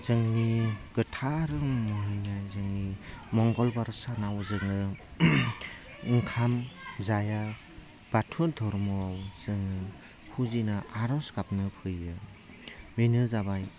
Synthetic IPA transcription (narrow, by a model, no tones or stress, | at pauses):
z̥ɯŋniɡ̥ɯtʰaɾɯŋmɯɦɯjnajzɯŋnimɔŋɡɔlbaɾsanawzɯŋɯ | ŋkʰamzaja | b̥atʰudʰʱɔɾmɯwawz̥ɯŋɯ | hʰuzinɯaɾɔsɡap̚nɯpʰɯjɯ | minɯzabaj